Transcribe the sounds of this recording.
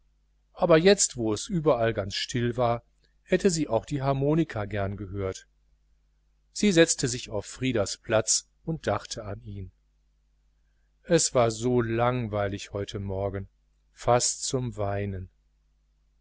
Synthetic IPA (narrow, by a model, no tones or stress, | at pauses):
ʔaːbɐjɛt͡stv̥oːɛsʔyːbɐʔalɡant͡sʃtʰɪlvaːɐ | hɛtəziːʔaʊxd̥iːɦaɐmoːnɪkʰaɡɛɐnɡəɦøːɐt | z̥iːzɛt͡stəzɪçaʊfːʁ̥iːdɐspl̥at͡s | ʊnt̚d̥aχtʰəaniːn | ʔɛsv̥aːɐzoːlaŋvaɪlɪçhɔʏtʰəmɔɐɡn̩ | fastt͡sʊmvaɪnən